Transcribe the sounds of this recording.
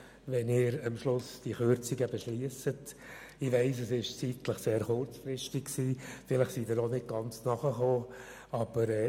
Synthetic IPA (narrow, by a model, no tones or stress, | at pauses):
ʋɛnɪːɾəmʃlʊsd̥iχøɾt͡siɡəbɛʃliəsət | ɪʋæɪs̬əsɪʃt͡sitləχseːɾχʊrt͡sfɾɪʃtɪkksiːfɪləχsid̥̪ɪɾɔnɪd̚ɡ̥ɑnt͡snɑχəχoː | ɑb̥əɾɛ